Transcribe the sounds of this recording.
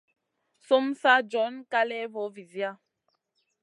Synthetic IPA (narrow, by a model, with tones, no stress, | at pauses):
so˦msa˦d͡ʒɔ˨˦nka˦lɛ˦vo˨˦vi˨zi˦a˦